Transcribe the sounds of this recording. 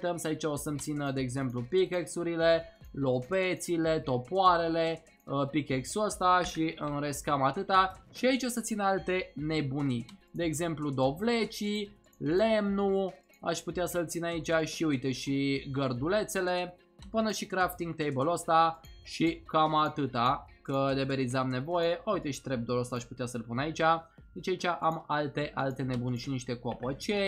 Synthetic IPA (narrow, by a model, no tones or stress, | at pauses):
t̪əmsait͡ʃaosəmt̪sinəd̪e̞ːɡze̞mplupikeksuɾile̞ | lo̞pet̪sile̞t̪o̞poaɾe̞le | əpikeksuəst̪aʃiʔɨnɾe̞skamat̪ɨt̪aʃiait͡ʃo̞sət̪sinəalt̪e̞ne̞bunid̪e̞ːɡze̞mplud̪o̞vlet͡ʃi | lemnu | a̰ʃput̪easəlt̪sinait͡ʃʲaʃiujt̪eʃiɡərd̪ule̞t̪se̞le̞ | pɨnəʃikɾaft̪iŋɡ̚t̪ejbəlost̪aʃikamat̪ɨt̪a | kəd̪ebe̞ɾizamne̞vo̞je̞ʔaujt̪eʃi̥t̪ɾe̞b̚d̪olost̪aːʃʲput̪easəlpunait͡ʃʲa | d̪et͡ʃʲait͡ʃʲaʔamalt̪e̞ʔalt̪e̞ne̞bunʲiʃiniʃt̪e̞koopət͡ʃe